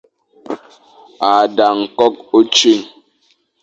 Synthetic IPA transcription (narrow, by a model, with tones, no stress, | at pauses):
a˨da˨ŋ̩˨kɔ˦k̚o˦t͡ʃi˦˨ŋ